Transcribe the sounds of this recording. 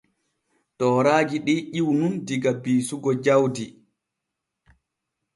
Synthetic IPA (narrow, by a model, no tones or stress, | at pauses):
tɔːɾaːɡiɗiʔiwnundiɡabiːsuɡɔd͡ʒawdi